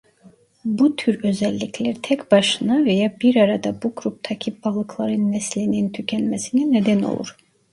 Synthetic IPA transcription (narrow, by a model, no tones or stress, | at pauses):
but̪ʰyɾø̞zælʲːicʰlʲæɾt̪ʰɛcb̥ɑʃɯnɑvejɑbiɾɑɾɑd̪ɑbuɡɾup̚t̪ʰɑcʰibɑlˠɯkʰlˠɑɾɯnːɛslinint̪ʰycʰænmæsininɛd̪æno̰lˠṵɾ̥